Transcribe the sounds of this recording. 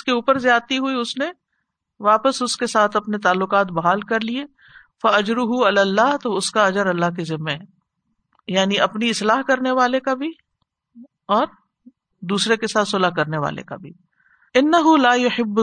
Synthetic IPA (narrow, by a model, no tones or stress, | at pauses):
skeuːpəɾzjaːt̪iɦʊiʊsne | ʋaːpəsʊskesaːt̪ʰɐpnet̪aːlːʊqaːt̪bɐɦaːlkɐɾlie | fɐɐd͡ʒɾʊɦʊɐlaːlːaːɦt̪oʊskaɐd͡ʒəɾɐlːaɦk̬izɪmːeɦɛ | jaːniɐpniɪslaːɦkɐɾneʋaːlekabʱi | ɔːɾ | d̪uːsɾekesaːt̪sʊlaɦkɐɾneʋa̰ːlḛka̰bʱḭː | ɪnːɐɦʊlaːjʊħɪbː